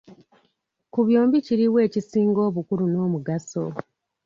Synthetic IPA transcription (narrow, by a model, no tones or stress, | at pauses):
kuβjo̞ːmbiciɾiwe̞ːcisiːŋɡo̞ːβukuɾuno̞ːmuɡaso̰